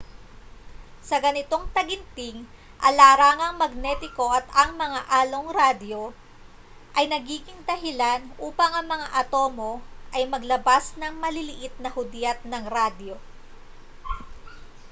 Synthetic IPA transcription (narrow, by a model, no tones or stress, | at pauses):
sɐɡɐnɪt̪o̞ŋt̪ɐɡɪnt̪ɪŋ | ʔɐlaːɾaːŋɐŋmɐɡ̚nɛt̪ɪko̞ʔɐt̪ɐŋmɐŋaʔaːlo̞ŋɾaːd̪jo̞ | ʔɐjnɐɡiːɡɪŋd̪ɐɦɪlanʔuːpɐŋɐŋmɐŋaʔɐt̪o̞ːmo̞ʔɐjmɐɡlɐbasnɐŋmɐlɪlɪʔɪt̪̚nɐhʊd̪jat̪̚nɐŋɾad̪jo̞